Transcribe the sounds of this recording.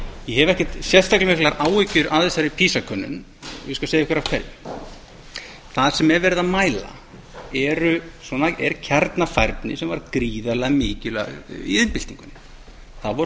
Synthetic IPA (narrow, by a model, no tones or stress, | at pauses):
jɛɦɛvɛhcɛ̥t̪sjɛ̥st̪aklɪmɪhklaɾaːwɪcʏɾaðɛsaɾɪpʰiːsakʰœnːʏ̰n | ɪskasejɪhkvɛɾḁkʰɛɾjɪ | θað̥sɛmɛvɛɾɪðamaːjla̰ | ɛɾʏswɔnaɛ̰ɾcʰaɾt̪nafajɾp̪nɪsɛmvaɾkɾiːðalaɣmɪːcʏla̰ɣḭðɪnpɪl̥t̪iŋkʏn | θaðvɔɾ